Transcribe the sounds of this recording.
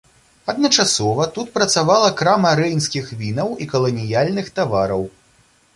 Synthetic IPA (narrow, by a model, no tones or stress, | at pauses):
ɐd̪nɐt͡ʂasɔvɐt̪ut̪̚pɾɐt̪savalˠɐkɾamɐɾɛjnskʲixvʲinɐwikɐlˠɐnʲijalʲnɨxt̪avaɾɐw